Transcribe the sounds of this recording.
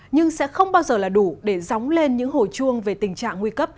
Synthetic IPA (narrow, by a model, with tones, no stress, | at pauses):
ɲɨ˧ŋsɛ̰˧˥xə˧wŋ͡mɓaː˧wzəː˨˩laː˨˩ɗu˧˩ɗe˧˩zɔ˨˦wŋ͡mle˧nɲɨ̰˧˥ŋho˧˩jt͡ɕu˧əŋve˨˩t̪ï˨˩ŋ̟t͡ɕa̰ː˧˨ŋːwi˧kə˦˥p̚